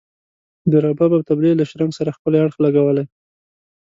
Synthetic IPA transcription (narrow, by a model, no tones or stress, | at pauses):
d̪əɾɑbabawt̪ablilaʃɾamsaɾaxpəleaɽxlaɡawəlaj